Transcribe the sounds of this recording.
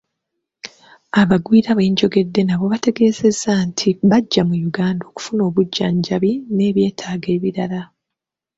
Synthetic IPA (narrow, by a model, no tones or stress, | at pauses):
aβaɡwiːɾaβeːɲɟo̞ɡe̞dːe̞naβo̞βate̞ɡe̞ːzezantʰiβaɟːamujuɡaːndoku̥funo̞ːβuɟːaɲɟaβine̞ːβje̞ːtʰaːɡe̞ːβiɾala